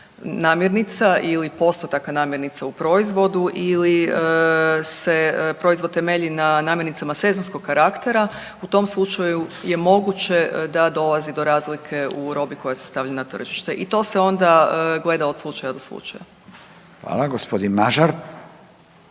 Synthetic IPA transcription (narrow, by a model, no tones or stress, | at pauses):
naːmje̞ɾnit̪saʔilipo̞st̪ot̪akanaːmjeɾnit̪saupɾo̞izʋo̞d̪uʔiliəse̞pɾo̞izʋot̪ːe̞me̞ʎinanaːmjeɾnit̪samase̞zo̞nsko̞ɡkaɾakt̪e̞ɾa | ut̪o̞mslˠut͡ʃajuje̞mo̞ɡut͡ʃe̞d̪ad̪o̞lˠazid̪o̞ɾaːzlikʰe̞uɾo̞biko̞jasest̪aʋʎanat̪r̩ʒiʃt̪e̞ʔit̪o̞se̞o̞nd̪aɡle̞d̪ao̞d̪slˠut͡ʃajad̪o̞slˠṵt͡ʃa̰ja | xʋa̰ːlaɡospod̪inmaʒaɾ